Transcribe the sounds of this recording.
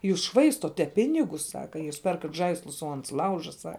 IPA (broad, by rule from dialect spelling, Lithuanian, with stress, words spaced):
ˈjuːs ˈʃʋɐɪstoːtʲɛ ˈpʲɪnʲɪɡʊs ˈsɑːkɐ juːs ˈpʲɛrkɐt ˈʒɐɪslˠʊs oː ˈɐns ˈlˠɐʊʒɐ ˈsɐ